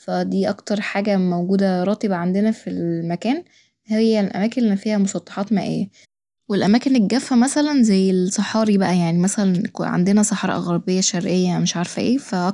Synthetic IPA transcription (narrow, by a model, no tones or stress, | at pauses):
fæd̪iːʔɑkt̪ɑɾˤħaːɡæmowɡuːd̪æɾˤɑːt̪ebæʕand̪enæfilmækæːn | hejːælʔæ̰mæːkenfiːhæmosˤɑt̪ˤːɑ̥ħɑːt̪mæ̰ːʔḛjːæ | welʔæmæːkeneɡæfːæmæsælænzæjːelsˤɑħɑːɾibæʔæjaʕnimæsælænkʕa̰nd̪enæsˤɑħɑɾˤɑ̰ʔɑ̰ɣɑɾˤbejːæʃæɾʔejːæmeʃʕaɾfæʔeːfæʔɑ